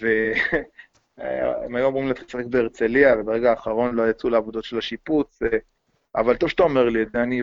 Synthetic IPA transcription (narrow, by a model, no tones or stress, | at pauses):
ve | ḛmajuamʁimlet̪isaχek̚beːʁt͡seliavebeʁeɡaːχaʁo̞nlo̞jat͡suleavod̪o̞t̪ʃe̞laʃiput͡s | a̰valt̪ovʃet̪aomeʁlideani